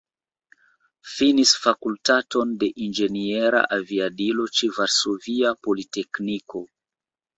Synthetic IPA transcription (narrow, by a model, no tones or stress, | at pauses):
finisfakultato̞nde̞ʔind͡ʒe̞nie̞ɾa̰ʔaviadilo̞t͡ʃevaɾso̞viapo̞lite̞kniko̞